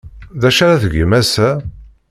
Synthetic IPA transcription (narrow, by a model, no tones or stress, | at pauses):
ðæʃaɾaθəɡəmæsæ